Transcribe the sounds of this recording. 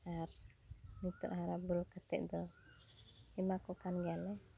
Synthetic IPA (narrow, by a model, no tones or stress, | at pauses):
aɾ | nit̪ɔ̰ʔɦaɾabulkat̪ɛ̰ʔd̪ɔ | imakɔkanɡalɛ